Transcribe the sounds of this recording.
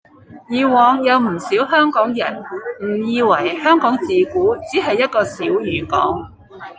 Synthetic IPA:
jiː˨˧wɔː˨ŋjɐ˨˧wm̩˨˩siː˨˥wɦœː˥ŋkɔː˨˥ŋjɐ̰˨˩nm̩˨˩jiː˧wɐ˨˩jhœː˥ŋkɔː˨˥ŋt͡siː˨kuː˨˥t͡siː˨˥ɦɐ˨jːɐ˥t̚kɔː˧siː˨˥wjyː˨˧kɔ̰ː˨˥ŋ

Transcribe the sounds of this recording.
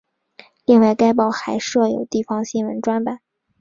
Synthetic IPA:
li˥˧ŋwa˥˩ɪka˥ɪpɑ˥˩ʊxa˧˥ɪʂɤ˥˩jo˨˩ʊt̪i˥˩fɑ˥ŋɕi˥nwə˧˥nʈ͡ʂwa˥nba˨˩˦

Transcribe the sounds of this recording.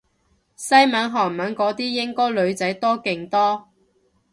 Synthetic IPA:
sɐ˥jmɐː˨˥nɦɔː˨˩ŋmɐ˨˥nkɔː˨˥t̪iː˥jɪ˥ŋkɔː˥jlɵ˨˧ɥt͡sɐ˨˥jt̪ɔː˥kɪ˨ŋt̪ɔː˥

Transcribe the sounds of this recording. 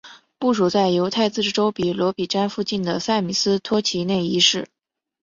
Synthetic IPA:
pu˥˩ʂu˨˩t͡sa˥˩ɪjo˧˥ʊt̪ʰa˥˧ɪt͡s̩˥˩ʈ͡ʂ̩˥˩ʈ͡ʂo˥ʊpi˨˩lwɔ˧˥pi˨˩ʈ͡ʂa˥nfu˥˧t͡ɕi˥˩nd̪ə˩sa˥˩ɪmi˨˩sɹ̩˥t̪ʰwɔ˥t͡ɕʰi˧˥ne˥˩ɪi˧˥ʂɻ̩˥˩

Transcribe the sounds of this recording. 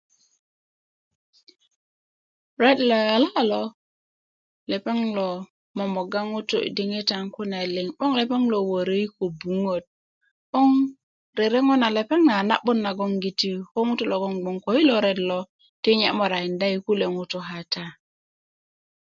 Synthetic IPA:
ɾe˦dlo˨ja˨la˦lo˦ | le˨pe˦ŋlo˨ | mo˨mo˨ɡa˦ŋu˦tṵ˦˨di˦ŋi˦ta˨ŋku˦na˨li˨ŋɓo˦ŋle˨pe˦ŋlo˨wo˨ɾe˦i˦ko˨bu˨ŋo˨t̚ | ɓo˦ŋ | ɾe˨ɾe˦ŋo˦na˨le˨pe˦ŋna˨na̰˦ɓo˦nːa˨ɡo˦ŋɡi˨ti˦ho˦ŋu˦tu˦lo˨ɡo˦ŋɡ͡bo˨ŋko˨˦i˦lo˨ɾe˦dlo˦ | ti˦ɲa˨˦mo˨ɾa˨i˨nda˦i˨˦ku˦le˨ŋu˦tu˦ɦa˨ta˦

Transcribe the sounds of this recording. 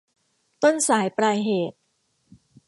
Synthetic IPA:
t̪o˥˩nsaː˩˦jpɾaː˧jɦeː˨˩t̪̚

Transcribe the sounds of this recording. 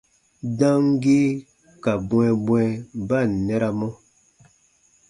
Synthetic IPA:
dã˦ŋ˦ɡe˦ | ka˨bwɛ˨bwɛ˦ba˦˨nɛ˦ɾa˦mɔ˦

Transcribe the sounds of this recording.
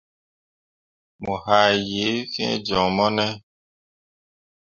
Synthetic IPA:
mũ˨ha˨je˨˦fĩ˦ɛ̰˦d͡ʒɔ̃˨mɔ˦nɛ˦

